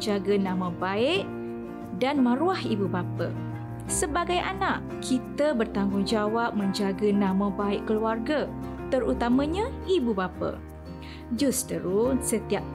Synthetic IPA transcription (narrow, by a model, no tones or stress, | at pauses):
d͡ʒaɡənãmə̃baɪʔ | danmə̃ɾuahibubapə̰ | səbaɡajʔa̰naʔ | kʰit̪əbərt̪aŋɡʊŋd͡ʒawap̚mə̃ɲd͡ʒaɡənãmə̃baɪʔkəluarɡət̪əɾut̪amə̃ɲãibubapə̰ | d͡ʒust̪əɾusət̪iap̚